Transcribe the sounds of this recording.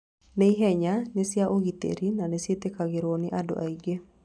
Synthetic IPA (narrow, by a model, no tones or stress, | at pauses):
neiɦɛɲanesɪaʔoɡit̪ḛɾinanɛsjet̪ekaɡɪɾwonɪʔado̰ʔaiɡe